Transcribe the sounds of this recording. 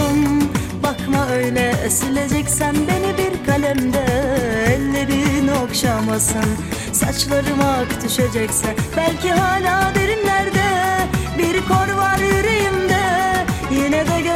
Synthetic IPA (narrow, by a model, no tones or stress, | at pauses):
m | bakmaøjlʲɛesilʲe̞d͡ʒɛcsænbe̞nibiɾkʰalʲɛmd̪ɛɛlʲːɛbiniokʃamasɯn | sat͡ʃlˠaɾɯmakt̪yʃed͡ʒɛcsɛnbælʲciɦaːlʲaːd̪eɾinlʲæɾd̪ɛbiɾkʰoɾvaɾjyɾejimd̪ɛjenɛd̪ɛɟø